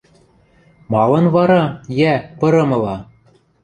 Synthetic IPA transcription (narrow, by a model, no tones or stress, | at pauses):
mɑlˠɤ̆nvɑɾɑjæpɤ̆ɾɤ̆mɤ̆lˠɑ